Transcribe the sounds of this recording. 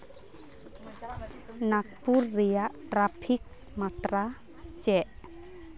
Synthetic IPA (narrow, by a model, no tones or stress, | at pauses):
nak̚puɾːɛjaʔʈɾapʰik̚ | mat̪ɾa | t͡ʃɛʔ